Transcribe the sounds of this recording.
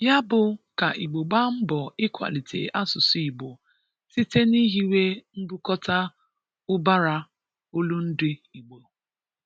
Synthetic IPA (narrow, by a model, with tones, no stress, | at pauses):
ja˦bʊ˨ka˨ʔi˨ɡ͡bo˨ɡ͡ba˦m̩˦bɔ˨ɪ˦kʷa̰˨li˨tʰḛ˨ʔa˦sʊ˨si˨ɡ͡bo˨ | si˦te˦ni˦ɦi˦we˦m̩˦bu˦kɔ˦ta˦ | ʊ˦ba˦ɾa˦ | o˦lu˦n̩˦dɪ˦i˨ɡ͡bo˨